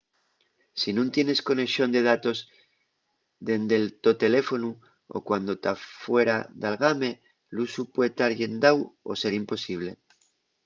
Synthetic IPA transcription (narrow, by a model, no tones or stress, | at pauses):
sinũnt̪je̞ne̞sko̞ne̞ʃo̞nd̪e̞ð̞at̪o̞z | ðe̞nd̪e̞lt̪o̞t̪e̞le̞fo̞nu | o̰kwand̪o̞t̪afwe̞ɾaðalɣame̞ | lusupwet̪aɾʝe̞nd̪awo̞se̞ɾimpo̞siβ̞le